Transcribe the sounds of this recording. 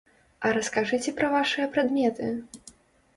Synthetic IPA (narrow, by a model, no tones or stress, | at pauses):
ɐɾɐskaʐɨt͡sʲɛpɾɐvaʂɨjɐpɾad̪mʲɛt̪ɨ